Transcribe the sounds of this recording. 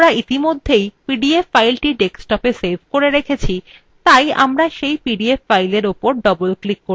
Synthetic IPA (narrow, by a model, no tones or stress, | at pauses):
ɾait̪imod̪ʱːejpiɖiefːajlʈiʈeksʈɔpeselbʱkoɾeɾekʰet͡ɕʰi | t̪aja̰mɾaʃejpiɖiefːajleɾopoɾɖɔbolklikːoɾ